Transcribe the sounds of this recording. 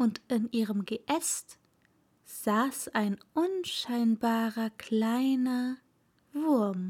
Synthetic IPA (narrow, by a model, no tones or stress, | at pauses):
ʔʊntʔɪnʔiːʁəmɡəʔɛst | z̥aːsaɪnʔʊnʃaɪnbaːʁɐkl̥aɪnɐ | vʊɐm